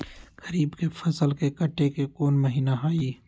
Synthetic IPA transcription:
ɡəɾiːbkefʰɐsəlkekəʈːekekoːnməɦiːnaɦaːiː

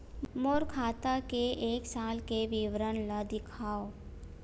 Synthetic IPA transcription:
moːɾkʰaːt̪akeʔeːksaːlkeʋɪʋɾənlad̪ɪkʰaːo

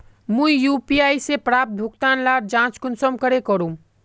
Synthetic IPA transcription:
mũjuːpiaːisepɾaːp̚t̪̚bʱʊkt̪aːnlaːɾd͡ʒãːt͡ʃkʊnsəmkəɾekəɾũ

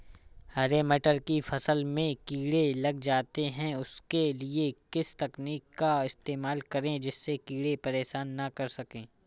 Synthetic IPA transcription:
hɐɾeːmeːʈəɾkifʰɐsəlmẽkiːɽelɐɡd͡ʒaːt̪eɦɛ̃ʊskeliekɪst̪ɐkniːkːaɪst̪eːmaːlkɐɾẽd͡ʒɪsːekiːɽepɐɾeːʃaːnːɐkɐɾsɐkẽː

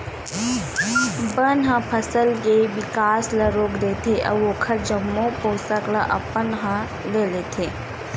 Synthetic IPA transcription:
bənɦə̃pʰɐsəlkeʋɪkaːsləɾoːkd̪eːt̪ʰeʔɐ̰ʋoːkʰəɾd͡ʒɐmːõpoːsəkləʔɐ̰pənɦɐ̃ | leːlet̪ʰeː

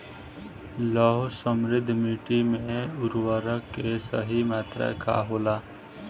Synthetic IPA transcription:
lɔːɦsəmɾɪd̪ʱːmiːʈimẽʊɾwəɾəkːesə̰ɦimaːt̪ɾa̰ka̰ɦoːlaː

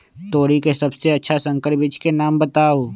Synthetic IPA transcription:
t̪oːɽikesɐbseɐtːʃʰasə̃ŋkəɾbɪt͡ʃkenaːmbət̪aːoː

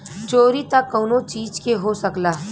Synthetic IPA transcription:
t͡ʃoːɾit̪ɐkːoːnõt͡ʃiːd͡ʒkeɦosɐklaː

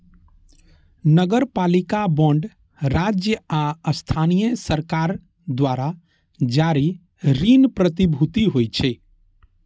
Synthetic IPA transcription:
nəɡəɾpalikabɔ̃ɳɖ | ɾad͡ʒjəaəst̪ʰanijəsəɾkaɾ | d̪ʋaɾa | d͡ʒaɾi | ɾinpɾət̪ibʱut̪iɦojt͡ʃʰe

